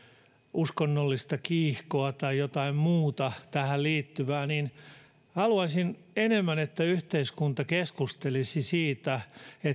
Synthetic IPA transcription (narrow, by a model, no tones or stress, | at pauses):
ʔuskonːolːist̪ɑkiːhkoɑt̪ɑijot̪ɑimmuːt̪ɑt̪æhælliːt̪ːyʋæːnin | hɑluɑsin | enemːænet̪ːæyht̪eiskunt̪ɑkeskust̪elisisiːt̪æe